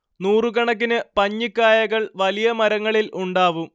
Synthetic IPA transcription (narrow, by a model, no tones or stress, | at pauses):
nuːrukɐɳɐk̬ːinɨpɐɲːikːaːjɐɣɐɭʋɐlijɐmɐɾɐŋːɐɭiluɳɖaːʋum